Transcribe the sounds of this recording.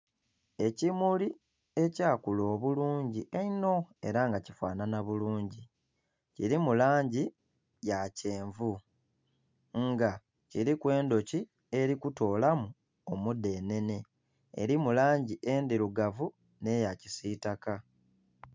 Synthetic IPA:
e̞cimuli | e̞caːkulo̞ːβuluːɲɟiʔeino̞e̞̰ɾaŋɡacifwa̰ːnanaβuluːɲɟi | ciɾimulaːɲɟi | jace̞ːɱvu | ŋɡa | ciɾikwe̞ːndo̞ci | e̞ɾikuto̞ːlamu | omude̞ːne̞ne̞̰ː | ɾimulaːɲɟiʔe̞ːndiɾuɡavu | ne̞jacisitaka

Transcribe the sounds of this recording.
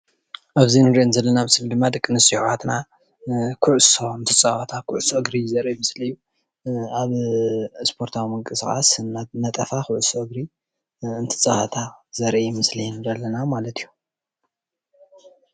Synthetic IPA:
ʔaβzinɨɾienzɐlːɐnamɨslid̪ɨmːad̪ɨkʼːɨnɨsiħat̪na | kʰuʕʊsoɨnt̪ʰɨt͡sʼahat̪ʰakʰʊʕʊsoɨɡɾizɐɾʔijmɨslɨjːu | aβ | spʰo̞ɾt̪ʰawimɨŋkʼɨskʼa̰snanɐt̪ʼɐfaxʊʕʊsoɨɡɾi | ɨnt̪ʰɨ̥t͡sʼahat̪ʰazɐɾʔijmɨslijnd̪ɐlːɐnamalɐt̪ʰijːu

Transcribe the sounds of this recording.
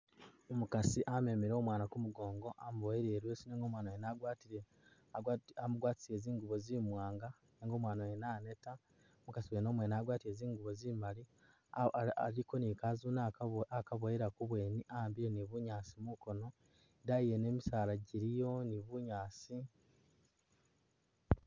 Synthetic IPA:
omukasiʔame̞miɾo̞ːmwaːnakumuɡo̞ːŋɡo̞ʔamuβojiɾeːɾwesineːŋɡo̞mwaːnawenaɡwaːtiɾe | amuɡwaːti̥sie̞ːziːŋɡuβo̞zimwaːŋɡa | neːŋɡo̞mwaːnawenaːne̞ta | omukasiweno̞mweːniaɡwaːtiɾe̞ːziːŋɡuβo̞zimali | liko̞nikaːzuːnaakaβojiɾakuβwe̞ːniʔaambiɾeniβuɲaːsimuko̞no̞ | daijene̞ːmisaːlaɟiɾijo̞niβuɲaːsi

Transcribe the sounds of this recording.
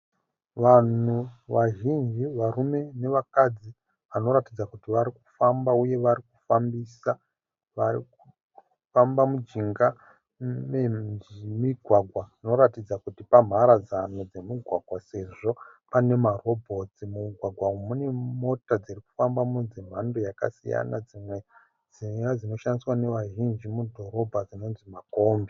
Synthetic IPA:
ʋan̤uʋaʒind͡ʒiʋaɾume̞ne̞ʋakad͡zi | ʋano̞ɾatid͡zakutiʋaɾiku̥fambauje̞ʋaɾiku̥fambisa | ʋaɾiku | fambamud͡ʒiŋɡa | memiɡʱwaɡʱwano̞ɾatid͡zakutipam̤aɾad͡zanod͡ze̞miɡʱwaɡʱwase̞ʐo̞pane̞maro̞bʱo̞t͡simuɡʱwaɡʱwaumune̞mo̞tad͡ziriku̥fambamunzim̤andojaka̰sija̰nad͡zimwe̞ | d͡ziad͡zino̞ʃandiswane̞ʋaʒind͡ʒimudʱo̞ɾo̞bʱad͡zino̞nzimako̞ːmbe

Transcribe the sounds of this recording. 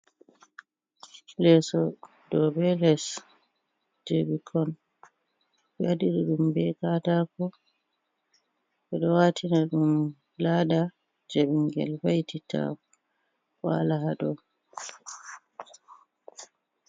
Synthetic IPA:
lɛsɔ | dɔbɛlɛs | d͡ʒebikʰɔn | ɓjadiɗɔɗumbɛkatakɔ | ɓɛɗɔwatʰinaɗum | laɗa | d͡ʒebiŋɡɛ̰lwajtitʰa̰ | wa̰laɦaɗɔ

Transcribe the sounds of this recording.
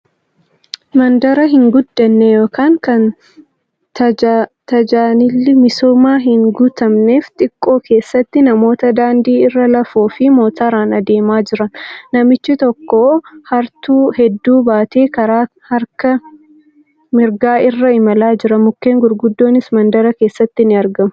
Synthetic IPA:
mɐnd̪ɐɾɐɦɪŋɡʊd̪ːɐnːɛjo̞ːkaːŋkɐn | t̪t̪ɐd͡ʒaːnɪlːɪmɪsoːmaːɦɪŋɡʊt̪ɐmne̞ːft̪ʼɪkʼːo̞ːkʰe̞ːsːɐt̪ːɪnɐmo̞ːt̪ɐd̪aːnd̪iːɪrːɐlɐfoːfɪmo̞ːt̪aːɾaːnɐd̪e̞ːmaːd͡ʒɪɾɐnnːɐmɪt͡ʃːɪt̪ɔkːohɐɾt̪uːhɛd̪ːuːbaːt̪ʰe̞ːkɐɾaː | hɐɾkɐ | mɪɾɡaːɪrːɐɪmɐlaːd͡ʒɪɾɐmʊkːe̞ːŋɡʊɾɡʊd̪ːo̞ːnɪsmɐnd̪ɐɾɐke̞ːsːɐt̪ːɪnɪɐɾɡɐmʊ̥

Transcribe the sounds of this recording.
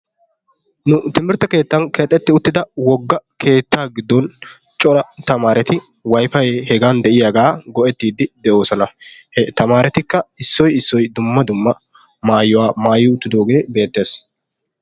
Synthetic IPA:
nʊt̪ɪmɪɾt̪ɐke̞ːt̪ːɐnkɛt̪ʼːɛt̪ːɪʊt̪ːɪd̪ɐwɔɡːɐkʰe̞ːt̪ːaːɡɪd̪ːɔn | t͡ʃʼɔɾɐt̪ɐmaːɾɛt̪ɪ | wɐjfɐjɛhɛɡaːnd̪ɛʔɪjaɡaːɡɔʔɛt̪ːiːd̪ɪd̪ɛʔo̞ːsɔnɐhɛt̪ɐmaːɾɛt̪ɪkːɐɪsːɔjɪsːɔjd̪ʊmːɐd̪ʊmːɐ | maːjːɔwaːmaːjɪʊt̪ːɪd̪o̞ːɡe̞ːbe̞ːt̪ːe̞ːs

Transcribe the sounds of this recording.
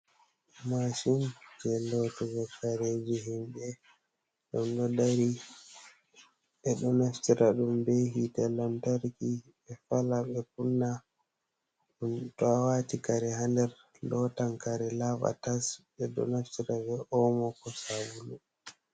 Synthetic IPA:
maʃind͡ʒɛlɔtɛvɛfaɾed͡ʒiɦimbɛ | ɗɔndɔdaɾi | ɛɗɔnaftiɾaɗumbeɦitɛlamtaɾki | ɛfalaɓɛp̚unːa | ɗuntɔawatikaɾɛɦandɛɾ | lɔtaŋkaɾɛlava̰tas | ɛɗɔ̰naftiɾavɛʔɔmɔkɔsawulu

